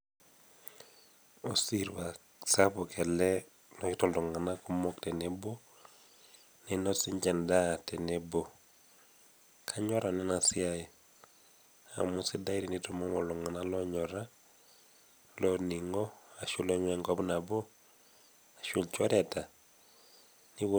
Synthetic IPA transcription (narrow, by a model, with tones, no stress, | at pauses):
o˨si˦ɾwa˨ | sa˦pɔ˨kʰɛ˨lɛ˦ | nɔ˨ki˦tɔ˨ldɔ˨ŋa˨na˦ku˦mɔ˦ktɛ˨ne˨bo˦ | nenɔ˦si˦ɲd͡ʒɛ˨nda˦tɛ˨nebo˨ | kʰa˦ɲɔ˦ɾa˨nɛ˦na˨si˦ae˨ | a̰˨mu˦si˦da˦iɾi˨nitɔ˨mɔ˦mɔ˨lɔ˨ŋa˨na˦lɔ˦ɲɔ˨ɾa˦ | lɔni˨ŋɡɔ˦a˨ʃu˦lɔ˦ɲwɛŋɡɔ˦bu˦na˨bɔ˦ | a˨ʃʊ˦lt͡ʃɔ˦ɾɛ˨ta˨ | ni˦wo